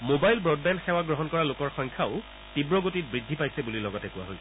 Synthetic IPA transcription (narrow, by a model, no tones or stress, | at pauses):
mobajlbɹɔd̚bɛndxɛwaɡɹɔɦɔnkɔɹalokɔɹxɔjŋkʰaʊ | tibɹɔɡotit̚bɹidʱːipajsɛbulilɔɡɔtɛkuwa̰ɦojs